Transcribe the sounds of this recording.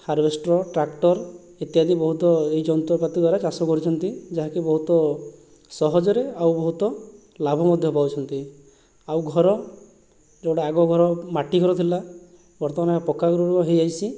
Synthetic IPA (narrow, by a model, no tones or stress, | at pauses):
haɾbʱesʈɾɔʈɾakʈɔɾ | et̪iɦad̪ibɔɦut̪ɔeɦid͡ʒɔnt̪ɔpat̪id̪waɾat͡ʃasɔkɔɾit͡ʃʰɔnt̪id͡ʒaɦakibɔɦut̪ɔ | sɔɦɔd͡ʒɔɾeawbɔɦut̪ɔ | labʱɔmɔd̪ʱjɔpawt͡ʃʰɔnt̪i | awɡʱɔɾɔ | d͡ʒewɽaːɡɔɡʱɔɾɔmaʈiɡʱɔɾɔt̪ʰila | bɔɾt̪ɔmanapɔkːaɡuɾɔɾuɔɦejajsi